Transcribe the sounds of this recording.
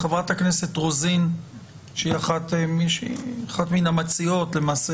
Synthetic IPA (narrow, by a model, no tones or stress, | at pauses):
χevʁathakne̞se̞tʁozin | ʃeiaχatmiʃḭaχat̪minamat͡sio̞tle̞maːse